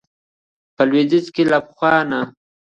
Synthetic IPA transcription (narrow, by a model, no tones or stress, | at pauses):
pəlwed̪ɪt͡skelapxwɑːna